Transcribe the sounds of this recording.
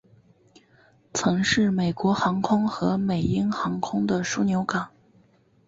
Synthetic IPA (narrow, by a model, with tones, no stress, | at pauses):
t͡sʰɤ˧˥ŋʂɻ̩˥˩me˨˩ɪkwɔ˧˥xɑ˧˥ŋkʰʊ˥ŋxɤ˧˥me˨˩ɪi˥ŋxɑ˧˥ŋkʰʊ˥ŋd̪ə˨ʂu˥˩njo˧˥ʊka˨˩˦ŋ